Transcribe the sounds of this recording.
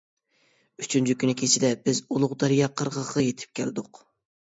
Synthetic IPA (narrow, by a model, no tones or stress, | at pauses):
yt͡ʃʰynt͡ʃʰykʲynɪkʲʰet͡ʃʰɪd̪ɛbɪzulˠʊʁd̪ɑɾijɑqʰəɾʁəʁɑjet̪ʰɪ̥p̚kʲʰæ̰lɪd̪ʊq